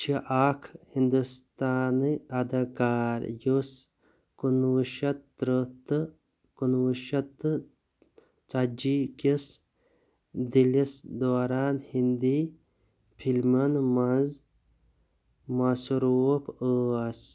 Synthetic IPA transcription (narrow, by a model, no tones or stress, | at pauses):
t͡ʃʰiʔaːkʰhind̪ust̪aːnɨɐd̪ɐkaːɾjus | kunuʃɐt̪ɾət̪ɨ | kunʋuʃɐt̪ɨ | t͡sad͡ʒikis | d̪ilisd̪oːɾaːnhind̪i | pʰilmɐnmɐz | masuɾupʰəɐs